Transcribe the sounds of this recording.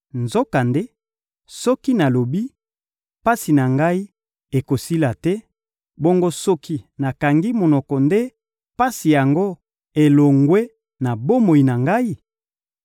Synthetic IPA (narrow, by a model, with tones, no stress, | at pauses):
nzo˦ka˨nde˦ | sɔ˦ki˦na˨lo˨bi˦ | pa˦si˨na˨ŋɡa˦i˦ | e˨ko˨si˦la˨tɛ˦ | bo˦ŋɡo˦sɔ˦ki˦na˨ka˨ŋɡi˦mo˨nɔ˨kɔ˨nde˦ | pa˦si˨ja˨ŋɡo˦ | e˨lo˨ŋɡwe˦ | na˨bo˦mo˨i˨na˨ŋɡa˦i˦